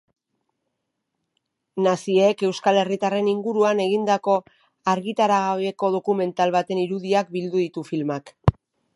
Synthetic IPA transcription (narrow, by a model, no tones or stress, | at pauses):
nasieke̞wskale̞rit̪are̞niŋɡuɾuane̞ɣind̪ako̞ | aɾɣit̪aɾaɣaβeko̞ð̞o̞kume̞nt̪alβat̪e̞niɾuðiak̚bild̪uðit̪ufilmak